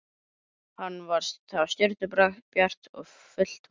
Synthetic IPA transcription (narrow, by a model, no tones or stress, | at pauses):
hanːvaɾ̥sθavst̪œɾ̥t̪ʏpɾaxpjar̥t̪ɔ̰ɣ | fʏl̥t̪